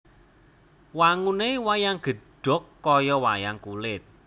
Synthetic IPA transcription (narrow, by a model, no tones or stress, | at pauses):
waŋunewajaŋɡ̥ə̤ɖ̥ɔ̤kːɔjɔwa̰jaŋkulɪt̪̚